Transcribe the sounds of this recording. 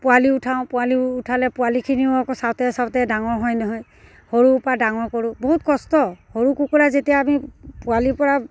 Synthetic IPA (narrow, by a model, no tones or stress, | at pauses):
pʊwaliutʰaʊ̃pʊwaliutʰalɛpʊwalikʰiniʊakɔsawtɛsawtɛdaŋɔɹɦɔjnɔɦɔj | hoɹuːpadaŋɔkɔɹubɔɦut̚kɔstɔhoɹukukɔɹazetijaːmipʊwalipɔɹa